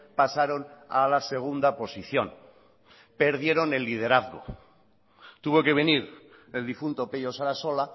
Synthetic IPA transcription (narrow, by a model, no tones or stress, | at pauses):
pasaɾo̞nalase̞ɣ̞und̪apo̞siθjo̞n | pe̞ɾðje̞ɾo̞ne̞lːið̞e̞ɾaθɣo̰ | t̪uβo̞ke̞β̞e̞niɾ | e̞ld̪ifunt̪opeʎo̞saɾaso̞la